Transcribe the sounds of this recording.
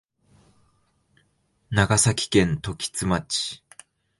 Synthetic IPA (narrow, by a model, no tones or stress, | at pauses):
naɡasakʲi̥kẽ̞nt̪o̞kʲi̥t͡sɨmat͡ɕi̥